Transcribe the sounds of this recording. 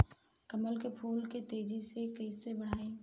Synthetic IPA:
kəməlkepʰuːlket̪eːd͡ʒisekəɪsebəɽ̤aːẽ

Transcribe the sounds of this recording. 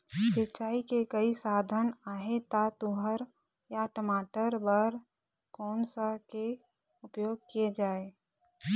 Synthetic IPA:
sɪtːt͡ʃaːikekəisaːd̪ʱənaːɦet̪at̪uɦəɾ | jaʈəmaːʈəɾbəɾ | kɔːnsake | ʊpjoːɡ̚kijed͡ʒaːe

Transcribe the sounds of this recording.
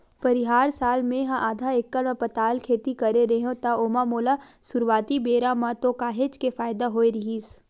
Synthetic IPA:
pɐɾɪɦaːɾsaːlmẽɦãʔaːd̪ʱaekːəɽəpɐt̪aːlkʰeːt̪ikɐɾeɾɐɦõt̪aoːmamoːlasʊɾwaːt̪ibeːɾamãt̪okaːɦet͡ʃkefaːjd̪aɦoːeɾɪɦiːs

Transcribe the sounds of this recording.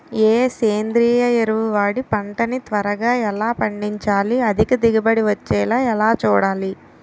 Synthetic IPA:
eːseːnd̪ɾiːjɐeɾuʋuʋaːɽipɐɳʈɐnit̪ʋɐɾɐɡaːɛlaːpɐɳɖiɲt͡ʃaːliɐd̪ʱikɐd̪iɡɐbɐɽiʋɐt͡ʃːɛːlaːɛlaːt͡ʃuːɽaːli

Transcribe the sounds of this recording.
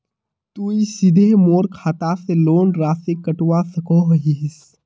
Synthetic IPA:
t̪uisɪd̪ʱemoːɾkʰaːt̪aseloːnɾaːsekɐʈwasɐkoːɦɦis

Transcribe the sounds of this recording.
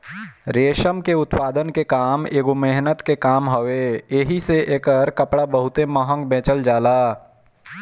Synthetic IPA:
ɾeːʃəmkeʊt̪paːd̪ənkekaːmeːɡomeɦnət̪kekaːmɦoʋeːeɦiseʔeːkəɾkəpɽabəɦʊt̪eməɦə̃ŋɡbẽːt͡ʃəld͡ʒaːlaː

